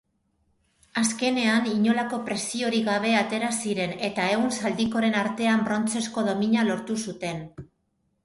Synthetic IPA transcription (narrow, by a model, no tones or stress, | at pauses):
aske̞ne̞aniɲo̞lako̞pɾe̞sio̞ɾiɣaβ̞e̞at̪e̞ɾasiɾe̞ne̞t̪ae̞ɣunsald̪iko̞ɾe̞naɾt̪e̞ambɾo̞nt͡se̞sko̞ðo̞miɲalo̞ɾt̪usut̪e̞n